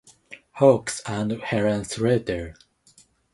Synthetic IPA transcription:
hoksãndhɛɹãnsɹɛt̪əɹ

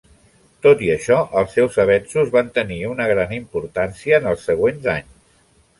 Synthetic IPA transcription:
t̪ot̪iəʃɔʔəlˠsːɛwzəβ̞ɛnsuzβant̪əniunəɣ̞ɾanimpuɾt̪ansiəːnəlˠsːəɣ̞wenza̰ɲs

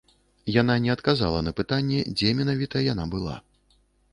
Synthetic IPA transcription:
jananʲɛɐt̪kaza̰lˠɐnɐpɨt̪anʲːɛd͡zʲɛmʲɛnavʲit̪ɐjan̪abɨlˠa̰

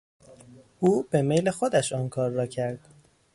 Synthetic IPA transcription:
ʔuːb̥e̞mejlexod̪æʃɒːnkʰɒːɾːɒːcʰæɾd̪̥

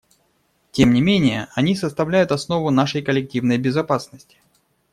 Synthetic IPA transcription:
tʲemnʲɪmʲenʲɪjə̰ʔɐnʲisəst̪ɐvlʲæjʊt̪ɐsno̞vʊnaʂəjkəlʲɪk̚tʲivnəjbʲɪzɐpasnəsʲtʲɪ̥

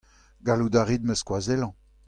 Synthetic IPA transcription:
ɡalud̪aʁid̪̚məskwazɛlɑ̃

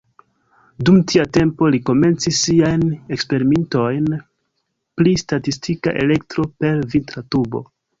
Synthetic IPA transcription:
dumtʰiate̞mpo̞liko̞me̞nt͡sisːiajne̞kspe̞ɾimento̞jn | plistatistʰika̰ʔe̞̰le̞ktɾo̞pe̞ɾvintɾatubo̞̰

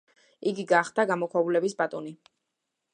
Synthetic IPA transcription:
iɡiɡaχd̪̥aɡamɔkʰwavulɛbisbat̪ʼɔni

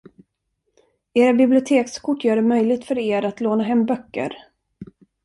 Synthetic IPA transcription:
eːɾabɪblɪʊt̪ʰeːkskʰʊʈːjœːɖɛmœjlɪɡ̚t̪fœɾeːɾat̪loːnaɦɛmːbœkːə̰ɾ

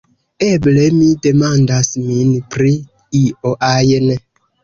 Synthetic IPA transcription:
eblemidemandasminpɾi | ioʔajene

